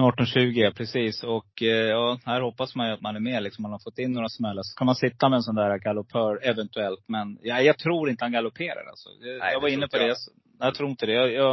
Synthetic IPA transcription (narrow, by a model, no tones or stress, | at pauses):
ɑːʈːɔnɕʉ̟ːɡɪpʰɾɛsiːsɔkjɑːhæɾhɔpːasmanjɵat̪manæɾmeːlɪksɔmːanhaɾfɔt̪ːɪnːoːɾasmɛlːasɔ̥kʰanmansɪt̪ːamɛːnsɔnd̪æːɾaɡalʊpʰœːɾɛvɛnt̪ɵɛlt̪mɛnjajɑɡt̪ʰɾuːɾɪnt̪əhanɡalʊpʰeːɾa̰ɾa̰lsɔ̰ɛjaɡvaɾɪnːəpʰɔd̪ɛj | nɛjat̪ʰɾuːɾɪt̪əd̪ɛjɑjɑ